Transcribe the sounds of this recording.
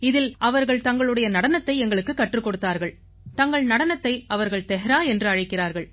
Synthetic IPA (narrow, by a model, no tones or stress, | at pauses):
ɪðɪlɐʋɐɾɣɐɭt̪ɐŋɡɐɭɯɽɐjɐnɐɽɐnɐt̪ːɐɪɛŋɡɐɭɯkːɯkːɐʈːrɯkːɔɽɯt̪ːaːɾɣɐɭ | t̪ɐŋɡɐɭnɐɽɐnɐt̪ːɐɪɐʋɐɾɣɐɭt̪ɛɦɐɾaːɛndrɯɐɻɪkːɪraːɾɣɐɭ